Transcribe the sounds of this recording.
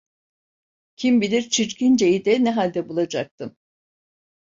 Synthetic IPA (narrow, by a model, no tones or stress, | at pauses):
cʰimbilʲiɾt͡ʃʰiɾcʰind͡ʒejid̪ɛnɛɦalʲd̪ɛbulˠad͡ʒak̚t̪ʰɯm